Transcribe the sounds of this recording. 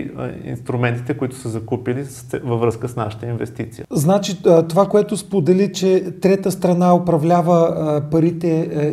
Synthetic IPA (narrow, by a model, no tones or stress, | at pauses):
ḭnst̪ɾʊmɛnt̪it̪ɛkʊit̪ʊ̥səzɐkupilisɛvɐvɾɤskəsna̰ʃə̥t̪əinvɛst̪it̪sijəznat͡ʃit̪ovakoɛt̪ʊspod̪ɛlit͡ʃɛt̪ɾɛt̪əst̪ɾɐnaʊpɾɐvlʲavəpɐɾit̪ɛ